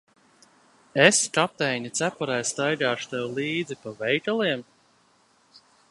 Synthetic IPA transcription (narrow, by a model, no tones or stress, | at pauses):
eskap̚t̪ɛjɲʲit̪sæpɔɾajst̪ajɡaːʃu̥t̪ɛwlˠiːd̪zipavɛjt̪ʲalˠiɛm